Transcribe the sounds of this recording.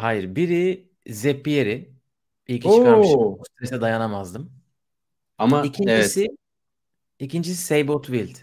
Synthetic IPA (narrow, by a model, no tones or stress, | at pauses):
hajiɾbiɾi | zepijeɾɪ | bilʲcʲʰiokʰaɾʃust̪ɾesɛd̪ajanamazd̪ɯm | amaicʰiɲvɛsi | icind͡ʒis̬i̥sejbot̪ʰvilʲd̪